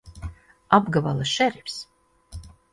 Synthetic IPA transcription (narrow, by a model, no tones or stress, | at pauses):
abɡavalˠaʃɛɾipʲs